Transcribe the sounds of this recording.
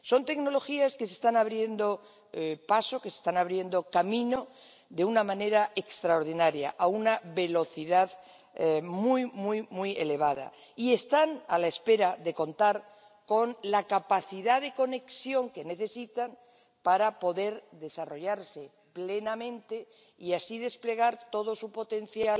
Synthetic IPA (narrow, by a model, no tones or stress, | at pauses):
so̞nt̪e̞kno̞lo̞xiaske̞se̞st̪anaβɾje̞nd̪o̞ | paso̞kesest̪anaβɾje̞nd̪o̞kamĩno̞ | ðe̞unamãne̞ɾaʔe̞kst̪ɾaoɾðinaɾja̰ʔaunaβe̞lo̞θiðað | mujmujmuje̞le̞β̞aða̰ | ie̞st̪analaespe̞ɾaðe̞ko̞nt̪aɾ | ko̞nlakapaθiðaðe̞ko̞ne̞ksjo̞ŋke̞ne̞θe̞sit̪an | paɾapo̞ðe̞ɾðe̞saro̞ʎaɾse̞ | ple̞namẽ̞nt̪e̞ | iasiðe̞sple̞ɣ̞aɾt̪o̞ð̞o̞supo̞t̪e̞n̟θjal